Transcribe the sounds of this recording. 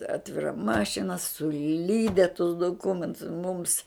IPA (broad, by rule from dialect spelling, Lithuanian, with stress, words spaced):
ˈɑːtʲʋʲɪrɐ ˈmɑːʃʲɪnɐ sʊˈlʲiːdʲɛ tʊs dʊˈkʊmʲɛntʊs muːms